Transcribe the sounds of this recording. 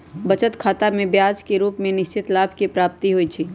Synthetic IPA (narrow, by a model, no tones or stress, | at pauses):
bət͡ʃət̪kʰaːt̪amẽbjaːd͡ʒkeɾuːpmẽnɪʃt͡ʃɪt̪laːbʱkepɾaːp̚t̪iɦoit͡ʃʰiː